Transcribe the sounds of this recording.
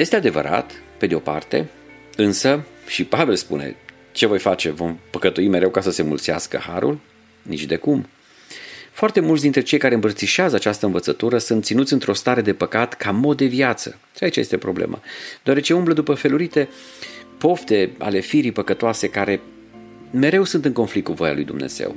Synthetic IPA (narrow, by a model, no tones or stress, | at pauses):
je̞st̪e̞ad̪e̞və̰ɾa̰t̪pe̞d̪eo̞pa̰rt̪e̞̰ | ɨnsəʃipave̞lspṵne̞̰ | t͡ʃe̞vo̞jfat͡ʃe̞vo̞mpəkət̪uime̞ɾe̞wkasəse̞mṵlt̪siaskə̰haɾṵl | nḭt͡ʃd̪e̞kum | foart̪e̞mult̪sʲd̪int̪ɾe̞t͡ʃe̞jkaɾe̞ɨmbərt̪siʃeazəat͡ʃast̪əɨnvət̪sət̪uɾəsunt̪sinut̪sʲɨnt̪ɾo̞st̪aɾe̞d̪e̞pəkat̪kamo̞t̪̚d̪e̞vjat̪sə̰ | ʃiait͡ʃajest̪e̞pɾo̞blḛmʔa̰d̪̥eoaɾe̞t͡ʃe̞umbləd̪upəfe̞luɾit̪e̞ | po̞ft̪e̞a̰le̞fiɾipəkət̪oase̞kaɾe̞ | me̞ɾe̞wsunt̪ɨŋko̞nflik̚t̪kuvo̞ja̰lṵjd̪umnḛz̥e̞̰w